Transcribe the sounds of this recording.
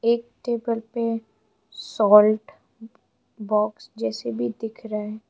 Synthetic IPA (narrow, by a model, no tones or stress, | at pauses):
eːk̚ʈeːbəlpe | sɔːlʈ | bɔːksd͡ʒɛːsebʱid̪ɪkʰɾaɛː